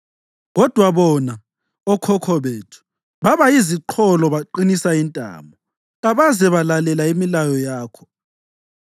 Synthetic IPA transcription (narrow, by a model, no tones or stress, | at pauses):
ɣɔd̥ʱwaβɔna | ɔkʰɔkʰɔβeːtʰu̥ | βaβaiziǃʰɔlɔβaǃinisaintʼa̰ːmɔ | ɣaβazɛβalalɛlaimilajɔjaːkʰɔ̥